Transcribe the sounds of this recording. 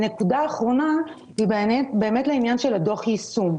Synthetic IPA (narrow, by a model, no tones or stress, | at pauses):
ne̞kudaːχʁo̞na | hibeebe̞ːmetleinjanʃe̞lado̞χjisum